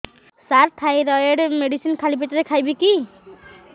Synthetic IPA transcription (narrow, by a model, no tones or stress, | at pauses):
saɾʈʰajɾɔjeɖmeɖisinkʰalipʰeʈɔɾekʰajbiki